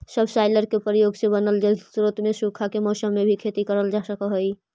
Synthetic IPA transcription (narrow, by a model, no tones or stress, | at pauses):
səbʱsaɪləɾkepɾijoːɡsebənəld͡ʒəsuɾət̪mesukʰakemɔːsəmːebʱikʰet̪ikəɾəld͡ʒasəkəɦoi